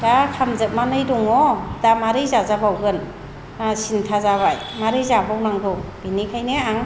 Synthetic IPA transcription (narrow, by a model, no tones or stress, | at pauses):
dakʰamzɯk̚manɯjdɔŋɔdamaɾɯjzazabawɡɯn | asintʰazaβaj | maɾɯjzabawnaŋɡɔb̥inikʰajneaŋ